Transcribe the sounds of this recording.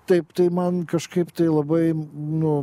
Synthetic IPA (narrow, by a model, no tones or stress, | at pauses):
t̪ɐɪpt̪ɐɪmɐnkɐʃkɐɪpt̪ɐɪlˠɐbɐɪnʊ